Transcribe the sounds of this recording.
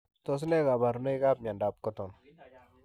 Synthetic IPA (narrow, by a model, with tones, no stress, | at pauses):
t̪ɔ˨s̬nɛ˦ka˨ba˨ɾu˨ne˦ka˦p̚ɲa˨nda˨p̚kɔ˦t̪ɔ˨n